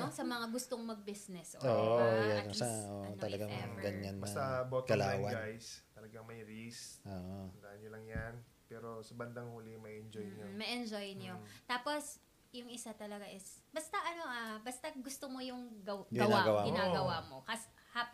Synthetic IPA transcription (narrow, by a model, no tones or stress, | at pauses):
oŋsɐmɐŋaɡʊst̪oŋmɐɡ̚bisnɛsʔoʔoːʔjakɐsaʔoʔot̪ɐlɐɡaŋɐɡɐɲːanːɐɐbot̪kɐlaːwɐnɡ̪ajst̪ɐlɐɡɐŋmɐjɾisʔoːʔod̪aʔɐnːolɐŋjɐn | pɛːɾo̞sɐbɐnd̪ɐŋhuːlɪmɐjɛnd͡ʒojnomɐʔɛnd͡ʒojnjot̪aːpo̞s | jʊŋʔɪsat̪ɐlɐɡaʔɪsbɐst̪ɐʔɐno̞ʔabɐst̪ɐɡʊst̪omo̞jʊŋɡɐɡɐɪnaːɡɐwaɡɪnaːɡɐwamo̞kɐs | hap